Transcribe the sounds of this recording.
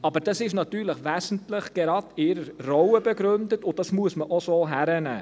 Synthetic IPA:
ɑbəɾd̥ɑsɪʃnɑtyːɾləχʋæːsn̩tləχɡ̥eɾɑːdɪɾəɾrɔwəbɛɡɾɵndətʊdɑsmuəsməʔosoːɦæɾənæ̰ː

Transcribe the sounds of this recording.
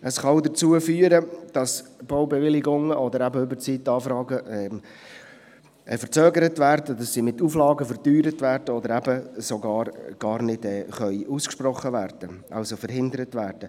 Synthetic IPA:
əsχɑldəɾt͡suəfyːəɾəd̥ɑsb̥ɔwbɛʋɪlɪɡʊŋəʔɔd̪əɾæbəʏbət͡siːtːɑːfɾɑːɡəɛm | fəɾt͡søːɡəɾətvæːɾdədɑsːimɪt̪uflɑːɡəfəɾtyːɾətʋæːɾd̥əɔd̪əɾæbəsɔɡɑːɾɡ̥ɑːɾnɪd̥ɛːχœʏʔuskʃprɔχːəʋæːɾd̥əʔɑ̰lsofəɾhɪndəɾətvæːɾd̥ə

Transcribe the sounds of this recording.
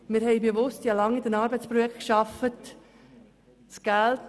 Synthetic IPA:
mɪɾhɛɪbeʋʊstjɑlɑŋidənɑːɾbəɪt͡spɾɔjɛkkʃɑfət | t͡sɡ̥ælt

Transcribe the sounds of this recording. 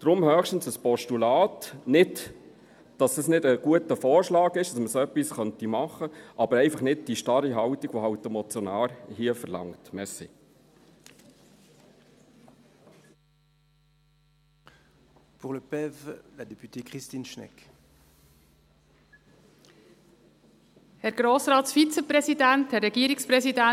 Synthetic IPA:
d̥ɾʊmhœːχʃtn̩səspɔʃtulɑːtnɪd | d̥ɑsəsnɪdəɡ̥uətəfɔːɾʃlɑːɡɪʃd̥ɑsməsoœpːisχœntimɑχəʔɑb̥əɾɛɪfɑχnɪd̚d̥iʃtɑɾiɦɑwtiɡ̥ʋoɦɑwtːɛmɔt͡sjɔnɑːɾhiəfəɾlɑ̰ŋtmɛsi | puʁləpɛvlad̪epyt̪ekχist̪inʃnɛ̰k | hɛɾɡ̥ɾoːsɾɑːtsfit͡səpɾɛsidænthɛrɛɡiːəɾikspɾɛsidæ

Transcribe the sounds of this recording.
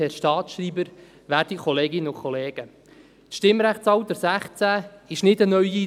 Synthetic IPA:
ɛːɾʃtɑːtʃɾiːbəɾ | ʋæːrd̥ikʰɔleːɡɪnːəʊkʰɔleːɡ̥ə | tʃtɪmːɾæχtt͡sɑwtəɾsæχt͡sæɪʃnɪdənœɥi

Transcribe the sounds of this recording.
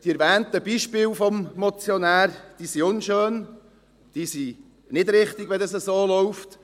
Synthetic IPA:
d̥iɛɾvɛːntəb̥iʃpɪːlfɔmmɔt͡sjɔnæːɾd̥iːsiʊnʃøːn | d̥iːsi | nɪdɾɪχt̪ɪɡ̥ʋɛdɑsəsoːlɔʊft

